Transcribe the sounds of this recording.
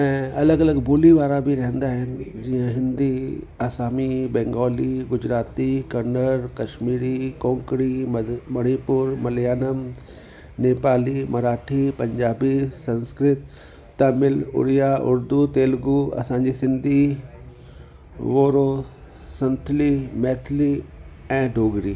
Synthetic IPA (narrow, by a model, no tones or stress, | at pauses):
ɛ̃ɐləɡɐləɡbʱʊliʋaːɾabʱiɾɐɦə̃nd̪aːɦɪnɪ̆d͡ʑiə̃ɦɪ̃nd̪i | aːsaːmibɛ̃ːŋɡɔːliɡʊd͡ʑɾaːt̪ikɐnəɾkɐʃmiːɾikõːŋkɾimmɐɽ̃ipʊɾmɐljaːnəm | neːpaːlimɐɾaːʈʰipɐ̃ɲd͡ʑaːbisɐ̃nskɾɪt̪ː | ɐmɪlʊ̰ɾijaʔʊ̰ɾd̪ut̪eːlɡuɐ̰sãːɲd͡ʑisɪ̃nd̪ʱi | ʋoːɾoː | sɐ̃nt̪ʰlimɛːt̪ʰli | ɛ̃ːɖʱoːɡɾiː